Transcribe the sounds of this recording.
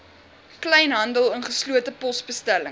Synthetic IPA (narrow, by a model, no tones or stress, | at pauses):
klɛjnɦɐndəlˠənχəsluətəpɔsbəstælə